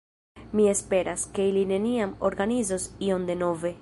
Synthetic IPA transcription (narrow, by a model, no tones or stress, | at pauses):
mie̞spe̞ɾʔaske̞iline̞niamo̞ɾɡanizosio̞nd̪e̞no̞ve̞